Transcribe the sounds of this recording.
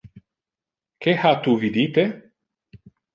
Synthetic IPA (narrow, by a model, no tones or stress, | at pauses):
kehat̪uvid̪it̪e